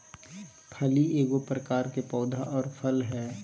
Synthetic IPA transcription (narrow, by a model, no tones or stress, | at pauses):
pʰɐlieːɡopɾəkaːɾkepɔːd̪ʱaʔɔːɾpʰəlɦɛː